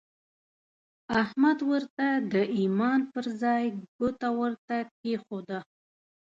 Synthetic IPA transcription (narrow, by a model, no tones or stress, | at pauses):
ahmad̪wəɾt̪ad̪əʔimɑnpəɾzɑjɡut̪awəɾt̪akexod̪ə